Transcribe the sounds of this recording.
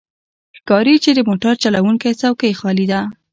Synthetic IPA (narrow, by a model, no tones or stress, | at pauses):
xkɑɾit͡ʃed̪əmoʈaɾt͡ʃalawuŋkajt͡sawkajxɑlid̪a